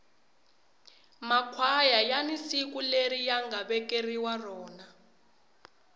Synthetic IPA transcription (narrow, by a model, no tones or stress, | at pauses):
makʰwajajanisik̬ʼuleɾijaŋɡʱaɓɛk̬ʼeriwarɔːna